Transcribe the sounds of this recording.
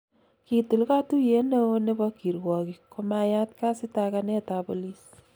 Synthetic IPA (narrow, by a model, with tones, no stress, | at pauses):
ki˨tu˨lka˦tu˦je˨˦ne˦ne˦bɔ˦ki˨ɾwɔ˨kikoma˧ja˦t̚ka˦si˦ta˧kanɛ˦tapo˨lis